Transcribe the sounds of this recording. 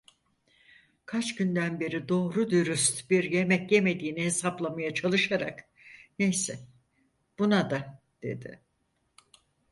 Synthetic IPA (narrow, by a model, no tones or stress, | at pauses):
kʰat͡ʃɟynd̪ænbe̞ɾid̪o̞ːɾud̪yɾyst̪biɾje̞mɛcje̞me̞d̪iːnɛhe̞saplˠamajat͡ʃʰalˠɯʃaɾa̰k | nejsɛ | b̥unad̪a | d̪̥e̞̰d̪ɪ̰